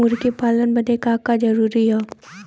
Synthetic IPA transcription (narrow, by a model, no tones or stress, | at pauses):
ʊɾkepaːlənbɐnekaːkad͡ʒɐɾuːɾiɦɛː